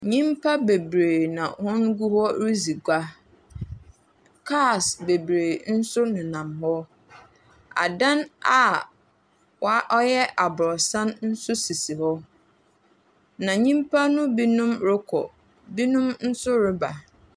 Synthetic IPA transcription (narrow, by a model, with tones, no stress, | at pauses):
ɲĩ˦mpʰa˦be˨bɾeː˨nã̰˨hʊ̃˦n˦ɡu˦hɔ˦ɾi˦zi˨ɡʷa˦ | kʰa˦˨sbe˨bɾe˨n̩˦sʊ˦nʊ̃˨nã˨mhɔ˦ | a̰˨dã˦na˦˨ | wa˦ʔɔ˦jɛ˦ʔa˨bʊ˨ɾɔ˨sã˦nn̩˦sʊ˦si˨si˨hɔ˦ | nã˨ɲĩ˦mpʰa˦nʊ̃˦bi˦nũ˦mɾɪ˦kʰɔ̰˨ | bi˦nʊ̃˦mn̩˦sʊ˦ɾɪ˦ba˨